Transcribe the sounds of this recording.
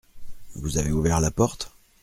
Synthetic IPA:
vuzaveuvɛʁlapɔʁt̪

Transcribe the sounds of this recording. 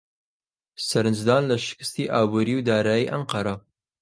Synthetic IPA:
sɐɾɨnd͡ʒd̪ɑːnlɐʃɪ̥kɨ̥st̪iːʔɑːbuːɾiːwd̪ɑːɾaːjiʔɐɴqɐɾa

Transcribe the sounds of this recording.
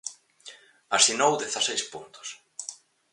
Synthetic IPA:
asinowðeθasejspunt̪ʊ̥s

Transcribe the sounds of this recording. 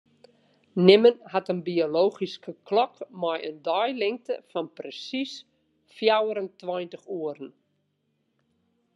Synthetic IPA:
nɪmənhatənbioloːχiskəklɔkmɔjə̰ndɔjlɪŋtə̰fɔnprəsis | fjawəɾəntwɔjntəχuəɾn̩

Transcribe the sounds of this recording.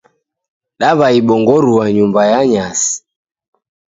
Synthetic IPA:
ɗaβaiɓɔŋɡɔɾuwaɲumbajaɲasi̥

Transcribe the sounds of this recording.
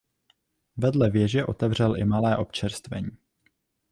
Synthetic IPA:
vɛdlɛvjɛʒɛʔo̞t̪ɛvr̝ɛlʔɪmalɛːʔo̞pt͡ʃɛɾst̪vɛ̰ɲiː

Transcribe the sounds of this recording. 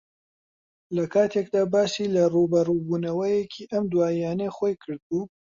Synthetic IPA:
lɐkʰaːt̪ʰeːkd̪aːbaːsilɐruːbɐruːbuːnɐwɐjekʰiːʔɐmd̪waːijaːnexoːjkʰɨɾd̪̚buː

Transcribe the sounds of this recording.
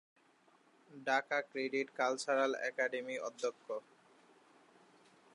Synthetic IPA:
ɖakakɾeɖiʈkalt͡ɕaɾalɛ̰kaɖemiɔd̪ʱːokʰːo

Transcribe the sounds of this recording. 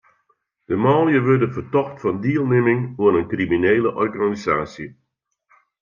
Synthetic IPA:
d̥əmaːlˠijəʋørdənfərtɔxtfɑndiːəlˠnɪmɪŋuəɾənkrimineːləʔɔrɣanizaːsjə

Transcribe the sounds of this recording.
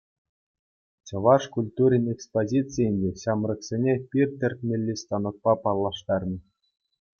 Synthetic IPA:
t͡ɕɤ̆ʋɑʂkulʲt̪uɾʲinʲekspozʲitt͡sɨjɘnʲdʲeɕɑmrɤ̆ksʲenʲepʲirʲt̪ʲɘ̆rʲt̪ʲmʲelʲːist̪ɑnɤ̆k̪̚pɑpɑlˠːɑʂt̪ɑrmʲi

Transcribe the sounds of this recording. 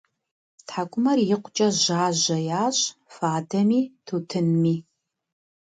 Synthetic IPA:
tħakʷʼʊmɐrjɪqʷʊt͡ʃʼɐʑaːʑɐjaːɕfaːdʰɐmiːtʰuːtʰɨnmiː

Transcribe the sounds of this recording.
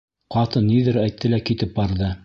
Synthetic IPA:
qɑt̪ɤnːiðɘɾæjt̪ʰːɘlækit̪ɘp̚bɑɾðɤ

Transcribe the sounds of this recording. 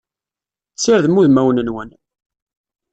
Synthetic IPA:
t͡sːiɾðmuðmæwnənwən

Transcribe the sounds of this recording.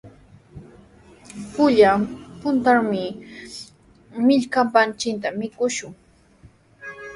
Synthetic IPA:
pʊʎapʊnt̪aɾmɪ | mɪʎkampant͡ʃɪnt̪̬amɪkʊʃʊŋ

